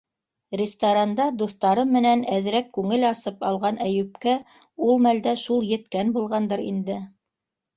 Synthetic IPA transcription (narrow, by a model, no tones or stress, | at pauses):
rʲɪst̪oɾand̪ɑd̪uθt̪ɑɾɤmːɘ̆nænæðɘ̆ɾækːʉŋɘlɑsɤpɑlˠʁɑnʔæjʉp̚kæ | ulˠmæld̪æʃulˠjɘ̆t̪kænbulˠʁɑnd̪ɤɾḭnd̪ɘ